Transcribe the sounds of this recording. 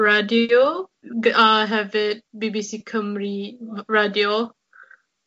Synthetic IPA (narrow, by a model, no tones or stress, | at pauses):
ɹadio | aɦɛvɪt̚bibisikʰə̃mɹiɹadio